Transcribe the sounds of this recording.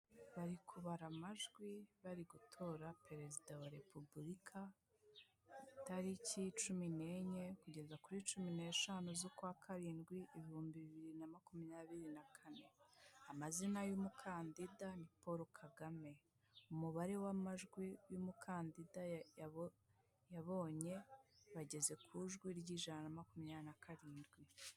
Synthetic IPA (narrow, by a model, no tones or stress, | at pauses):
βaɾikʰuβaɾamaʒɡwiβaɾiɡutʰo̞ɾape̞ɾe̞zidawaɾe̞pubulikʰa | taɾicit͡ʃumine̞ɲe̞kuɟe̞zakuɾit͡ʃumine̞ːʃanuzokwakʰaɾiːnɡwiʔiβihuːmbiβiβiɾinamakumiɲaβiɾinakʰane̞amazinajumukʰaːndidanipo̞ɾokʰaɡame̞ | umuβaɾe̞wamaʒɡwijumukʰaːndida | jaβo̞ːɲe̞βaɟe̞ze̞kʰuʒɡwiɾɟiːʒananamakumɲanakʰaɾiːndɡwi